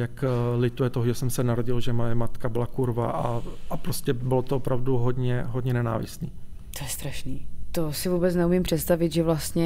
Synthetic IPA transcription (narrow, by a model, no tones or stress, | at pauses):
jaklɪt̪ujɛt̪oɦoʒɛsɛmsɛnaɾoɟɪlʒɛmojɛmat̪kabɪlakuɾvaʔaapɾoscɛbɪlot̪oopɾavduɦodɲɛɦodɲɛnɛna̰ːvɪ̰st̪niː | t̪ojɛst̪ɾaʃniːt̪osɪvuːbɛt͡snɛumɪmpr̝̥ɛt̪st̪avɪt̪ʒɛvlast̪ɲɛ